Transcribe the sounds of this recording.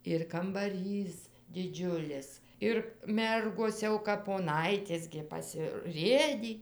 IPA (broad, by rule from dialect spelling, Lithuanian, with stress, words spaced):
ɪr kɐmbɐˈrʲiːs dʲɪˈd͡ʒʲʊlʲɪs ɪr ˈmʲɛrɡoːs ˈjɛʊ kɐp poːˈnɐɪtʲeːs ɡʲɪ pɐsʲɪˈrʲeːdʲiː